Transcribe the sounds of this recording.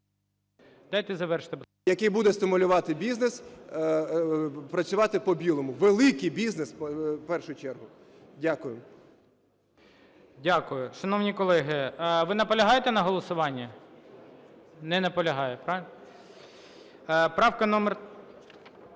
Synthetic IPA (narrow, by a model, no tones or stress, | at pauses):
d̪̥ɑjt̪ɛzɐʋɛrʃt̪e | jɐkɪjbud̪ɛst̪ɪmʊlʲʊʋɑt̪ɪbʲiznes | pɾɐt͡ssʲʊʋɑt̪ɪpɔbʲilˠɔmʊʋelˠɪkɪjbʲiznespɛrʃʊjʊt͡ʃɛrɦʊ | dʲakʊjɪm | dʲakʊjʊʃɐnɔwnʲikɔlˠɛɦɪʋɪnɐpɔlʲɐɦɑjet̪ɛnɐɦɔlˠɔsʊʋɑnʲːɐ | nɛnɐpɔlʲɐɦɑjɛpɾɑʋʲɪln | pɾɑwkɐnɔmer